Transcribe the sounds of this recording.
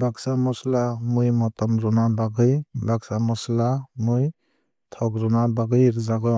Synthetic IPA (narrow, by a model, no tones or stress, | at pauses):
baksamɔslamujmɔtɔmɾɔnabaɡɯjbaksamɔslamɯj | tʰɔwkɾɔnabaɡɯjɾɯzaɡɯ